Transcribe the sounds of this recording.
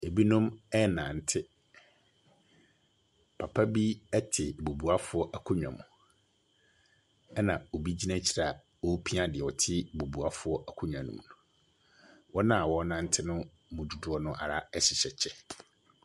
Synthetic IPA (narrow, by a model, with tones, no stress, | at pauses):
e˨bi˦nʊ̃˦mɛ˦nã˨n̩˨tʰɪ˦ | pʰa˨pʰa˦bi˦ɛ˦tʰɪ˨bo˨bu˨a˦fʊ˦ɔ˦ʔa˨kʰʊ˦ɲᶣ˨ã̰˨mʊ̰̃˨ | ɛ˦nã˨o˨bi˦d͡ʑi˦nã˦t͡ɕʰi˨ɾa˨ | wɔ˦pʰi˦ã˦dɪ˨ɛ˨ɔ˨tʰɪ˦bo˨bu˨a˦fʊ˦ɔ˦ʔæ˨kʰʊ˦ɲᶣ˨ã˨nṵ̃˨m˨nũ˨ | wɔ˦nã˦˨wɔ˦nã˦n̩˦tʰɪ˦nʊ̃˦ | mʊ̃˨du˨dʊ˨˦ɔ˦nʊ̃˦ʔa̰˨ɾa˦ɛ˦ɕɪ˨ɕɛ˨t͡ɕʰɛ˦